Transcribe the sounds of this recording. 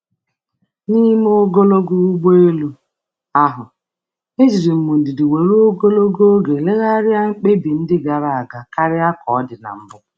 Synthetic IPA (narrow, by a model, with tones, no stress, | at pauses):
ni˦m˦o˦ɡo˦lo˦ɡu˦u˦ɡ͡be˦lu˦ | a˦ɦʊ˨ | e˦zi˨ɾi˨m̩˨mu˨dɪ˨dɪ˨we˨ɾo˦ɡo˦lo˦ɡo˦ɡe˨le˦ɣa˦ɾɪ˦a˦ŋ͡m̩˦k͡pe˦bi˨n̩˦dɪ˦ɡa˨ɾa˨a˨ɡa˨ka˦ɾɪ˦a˦kɔ˨˦dɪ˨na̰˨m̩˦bʊ˦